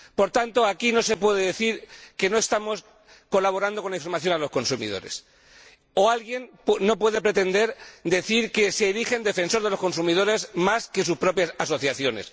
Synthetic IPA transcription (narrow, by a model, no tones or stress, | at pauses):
po̞ɾt̪ant̪o̞akino̞se̞pwe̞ðeðeθiɾke̞no̞e̞st̪amo̞s | ko̞laβ̞o̞ɾand̪o̞konlaiɱfoɾmaθjonalo̞sko̞nsumḭð̞o̞̰ɾe̞̰s | o̞alɣje̞npno̞pwe̞ðe̞pɾe̞t̪e̞nd̪e̞ɾd̪e̞θiɾke̞se̞ːɾixe̞nd̪e̞fe̞nsoɾðelo̞skonsumið̞o̞ɾe̞smaske̞suspɾo̞pjasaso̞θjaθjo̞ne̞̰s